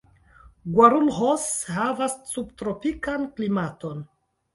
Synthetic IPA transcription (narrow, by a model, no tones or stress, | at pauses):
ɡwaɾulhoshavassubtɾopikanklimato̞n